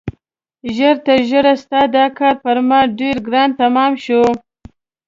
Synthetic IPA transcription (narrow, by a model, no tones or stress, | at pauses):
ʒəɾt̪aʒəɾast̪ɑd̪ɑkɑːɾpaɾmɑɖeɾɡɾɑnt̪amɑmʃu